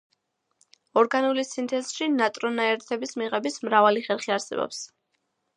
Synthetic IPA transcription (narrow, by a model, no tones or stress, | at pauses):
ɔɾɡanulisint̪ʰɛzʃinat̪ʼɾɔnaɛɾt̪ʰɛbismiʁɛbismɾavaliχɛɾˠχiaɾsɛ̰bɔ̰ps